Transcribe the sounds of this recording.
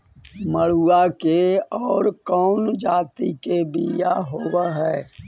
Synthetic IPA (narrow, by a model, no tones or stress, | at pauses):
məɭ̤uakeɔːɾkɔːnd͡ʒaːt̪ikebʱijaɦoːwaɦɛː